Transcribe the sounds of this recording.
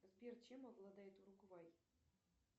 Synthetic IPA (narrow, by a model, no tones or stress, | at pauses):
zbʲert͡ɕemɑɣlˠɑd̪ɑjt̪urukvɑj